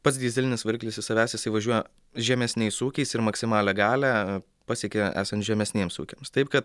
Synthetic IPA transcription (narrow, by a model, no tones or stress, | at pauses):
pɐt̪sd̪ʲiːzʲɪlʲɪnʲɪsʋʲɪɾʲkʲlʲɪsjɪsɐʋʲæːsjɪsɐɪʋɐʒʲuɔjɛ | ʒʲɛmʲɛsʲnʲɛɪsuːkʲɛɪsɪɾmɐksʲɪmɑːlʲɛɡɑːlʲæ | pɑːsʲiɛkʲeæ̰ːsɐnt̪ʒʲɛmʲɛsʲnʲiɛmsṵːkʲemst̪ɐɪpkɐt̪̚